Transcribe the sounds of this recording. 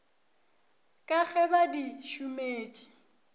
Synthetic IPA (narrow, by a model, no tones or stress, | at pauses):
kʼaɣɛbadiʃumeːt͡ʃʼi̥